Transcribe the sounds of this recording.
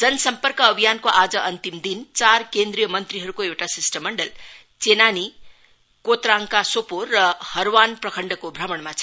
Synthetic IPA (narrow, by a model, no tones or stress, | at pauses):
d͡zʌnʌsʌmpʌrkʌːbʱijankoʔad͡zʌʔʌnt̪imd̪int͡sarkend̪ɾijʌmʌnt̪riɦʌɾukoewʈasisʈʌmːʌɳɖʌl | t͡senani | kot̪raŋkasoporːʌhʌɾwanprʌkʰʌɳɖʌkobʱrʌmʌɳmat͡sʰ